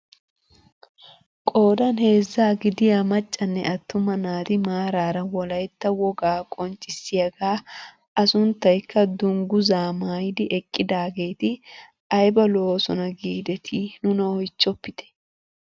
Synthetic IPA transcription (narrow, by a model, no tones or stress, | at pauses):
kʼo̞ːd̪ɐnhe̞ːzːaːɡɪd̪ɪjamɐt͡ʃʼːɐnːɛ̰ʔɐt̪ːʊmɐnaːt̪ɪmaːɾaːɾɐwɔlɐjt̪ːɐwɔɡaːkʼɔnt͡ʃʼːɪsːɪjɐɡaː | ɐsʊnt̪ːɐjkʰːɐd̪ʊŋɡʊzaːmaːjd̪ɪʔɛkʼːɪd̪aːɡe̞ːt̪ɪ | ɐjbɐlo̞ːsɔnɐɡiːd̪ɛt̪ʰɪnʊnɐɔjt͡ʃːɔpːɪt̪ɛ̥